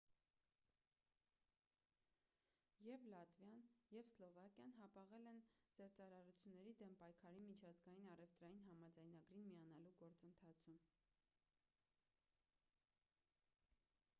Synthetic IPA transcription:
jɛvlɑt̪vjɑnjɛvslɔvɑkjɑnɦɑpɑʁɛlɛnd͡zɛɾt͡sɑɾɑɾut͡sʰjunːɛɾid̪ɛmpɑjkʰɑɾimit͡ʃʰɑzɡɑjinɑrɛft̪ɾɑjinɦɑmɑd͡zɑjnɑɡɾinmijɑn̪ɑluɡɔɾt͡sənt̪ʰɑt͡sʰum

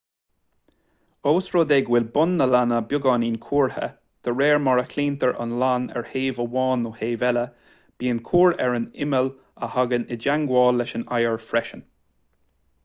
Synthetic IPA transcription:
oːsɹoːd̪eɡwɪlbʊnːəlanəbjʊɡɑːniːnkʰuːɹhə̰ | d̪̥əɹɛːɹmɔɹəkʰliːnt̪əɹʔə̰nlanɛ̰ɹheːvəwɑːnoːheːvɛlə | b̥iːənkʰuːɹɛɹənɪməl | əhaɡənɪdaŋɡwɔːlːɛʃənajəɹfɾɛʃən

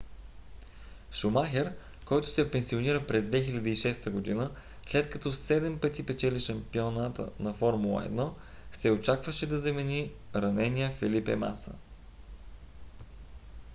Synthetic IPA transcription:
ʃʊmaxɛɾ | kɔjt̪ʊ̥sɛpɛnsioniɾəpɾɛzd̪vɛxilʲɐd̪əiʃɛst̪əɡod̪inə | slɛt̪kɐt̪ɔsɛd̪ɛmpɤt̪ipɛt͡ʃɛliʃɐmpionat̪ə̰nɐfɔɾmulˠə̰ɛ̰d̪nɔ | sɛot͡ʃakvəʃɛd̪ɐzɐmɛni | ɾɐnɛnijəfɛlipɛ̰ma̰sə̰

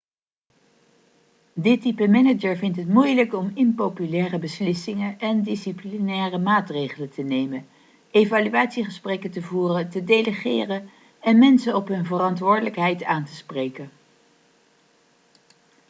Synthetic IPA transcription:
dɪtipəmɛnəd͡ʒəɹvɪntɦətmujləkɔmɪnpopylɛːrəbəslɪsɪŋəʔɛndisiplinɛːrəmaːtrejχələntənejmən | ejvalyaːtsiχəsprɛkəntəvuːrətədejləχɪ̰ːrən | ɛnmɛnsəɔpɦɵnvərɑntʋʊːɹdələkɦɛjtaːntəsprejkən

